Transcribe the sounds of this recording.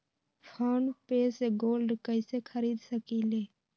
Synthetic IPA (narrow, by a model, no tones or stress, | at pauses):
pʰaːɳpeːseɡoːlɖkəɪsekʰəɾiːd̪səkileː